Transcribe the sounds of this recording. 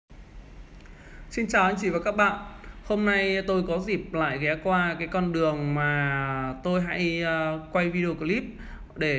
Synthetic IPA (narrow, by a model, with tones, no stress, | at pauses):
si˧nt͡ɕaː˨˩ʔa˧ŋt͡ɕi˧˩vaː˨˩kaː˦˥k̚ɓa̰ː˧˨nʔho˧mna˧jt̪o˧jkɔ˨˦zi˨˩p̚la̰ː˧˨jɣɛ˨˦kwaː˧kaː˨˦jkɔ˧nɗɨ˨˩əŋmaː˨˩t̪o˧jɦa̰˧˥jkwa˧jvi˧ɗe˧o˧kli˦˥p̚ | ɗe˧˩